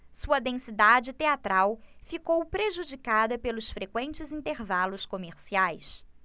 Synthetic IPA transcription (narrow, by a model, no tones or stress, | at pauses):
suɐd̪ẽsid̪ad͡ʒɪt̪eat̪ɾawfikowpɾeʒud͡ʒikad̪ɐpelʊsfɾekwẽnt͡ʃɪzĩnt̪eɾvalʊskomeɾsiajs